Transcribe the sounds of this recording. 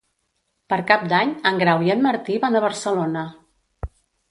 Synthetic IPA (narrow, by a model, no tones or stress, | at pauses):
pəɾkap̚d̪aɲəŋɡɾawiənməɾt̪iβanəβəɾsəlonə